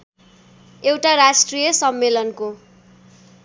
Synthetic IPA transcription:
ewʈaɾasʈrijʌsʌmːelʌnko

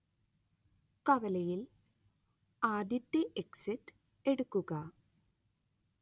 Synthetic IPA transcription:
kɐʋɐlɐjil | kaːd̪jɐt̪ːɐʔeksiʈː | e̞ɽukːuɣɐ

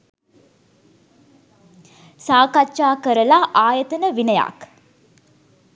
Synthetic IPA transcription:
saːkat͡ʃːʃaːkəɾɐlaːʔaːjət̪ɐnəʋinɐja̰ːk

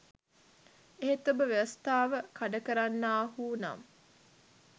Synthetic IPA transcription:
eɦet̪obəʋeʋɐst̪aːʋəkaɖəkəɾanːaːɦuːna̰m

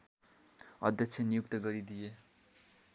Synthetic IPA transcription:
ʌ̰d̪ʱjʌksʰenijukt̪ʌɡʌɾid̪ije

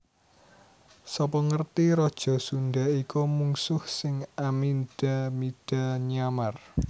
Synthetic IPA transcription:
sɔpɔŋərt̪iɾɔd̥ʒ̥ɔ̤sunɖaikomuŋsʊhsɪŋaminɖ̥amid̥a̤ɲamar

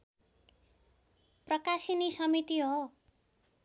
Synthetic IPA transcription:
prʌkasinisʌmit̪iɦo

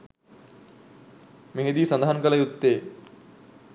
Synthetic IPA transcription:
meɦed̪iːsɐnd̪aɦankəlɐjut̪ːeː

